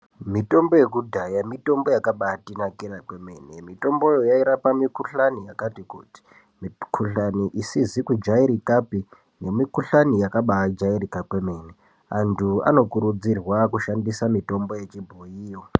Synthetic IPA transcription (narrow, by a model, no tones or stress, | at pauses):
mito̞mbo̞je̞k̬udʱajamito̞mbo̞jakaɓatinakiɾakweme̞nemito̞mbo̞jojaiɾapamikuɬanijakatikuːti̥ | mikʰuɬaniʔisizikud͡ʒaiɾikapi | ne̞mikuɬanijakaɓad͡ʒairikakwe̞me̞ne | antʰua̰no̞kuɾud͡zirwakuʃandisamito̞mbo̞je̞t͡ʃibʱojiːwo